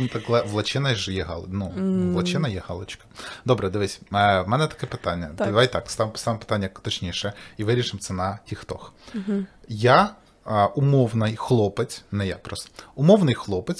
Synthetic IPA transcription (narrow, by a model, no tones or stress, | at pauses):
t̪ɐklˠɛʋlˠɐt͡ʃɪnɐʒjɛɦɑlˠnuʋlˠɐt͡ʃɪnɐjɛhɑlˠɔt͡ʃkɐ̥d̪ɔbɾɛd̪ɪʋɪsʲmɛnɛt̪ɐ̥kɛpɪt̪ɑnʲːɐd̪ɐʋajt̪ɑkst̪ɑʋmst̪ɑʋɪmpɪ̥t̪anʲːɐkt̪ɔt͡ʃnʲiʃɛiʋɪɾʲiʃɪmtsɛnɐhʲixt̪ɔx | ja | ʊmɔwnɪjxlˠɔpɪt͡sʲnɛjak̚pɾɔst̪ɔ̥ʊmɔwnɪjxlˠɔpɪt͡sʲ